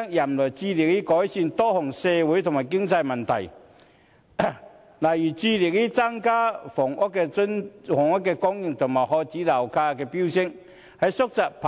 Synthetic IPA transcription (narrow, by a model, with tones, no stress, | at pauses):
ŋjɐ˨˩mlɔ˨˩jt͡siː˧li˨k̚liː˥kɔː˨˥jsiː˧nt̪ɔː˥hɔ˨˩ŋsɛː˧wu˨˥jt̪ʰʊ˨˩maː˨˩jkɪ˥ŋt͡sɐ˧jmɐ˨nt̪ʰɐ˨˩j | la˨˩jyː˨˩t͡siː˧li˨k̚liː˥t͡sa˥ŋkaː˥fɔː˨˩ŋʔɔ˥kːɛː˧˥nfɔ˨˩ŋɔ˥kːɛː˧kɔ˥ŋjɪ˨ŋt̪ʰʊ˨˩ŋmaː˨˩jhɔː˧t͡siː˨˥laː˨˩wkʰaː˧kɛː˧pi˥wsɪ˥ŋ | hɐ˨jsʊ˥k̚t͡sa˨k̚pʰː